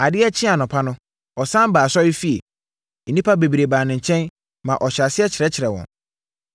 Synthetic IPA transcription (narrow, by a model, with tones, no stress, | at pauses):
a˨dɪ˦ɛ˦t͡ɕʰɪ̃˦a˨nʊ̃˨pʰa˦nʊ̃˦ | ɔ˨sã˦m˦baː˨sɔ˦jɪ˦fi˦e˨ | n̩˨nĩ˦pʰa˦be˨bi˨ɾe˨baː˨nɪ̃˨ɲ̩˨t͡ɕʰɛ̃˦n | mã˨ʔɔ˨ɕa˨sɪ˦ɛ˦t͡ɕʰɪ˨ɾɛ˦t͡ɕʰɪ˨ɾɛ˨wɔ̰̃˨n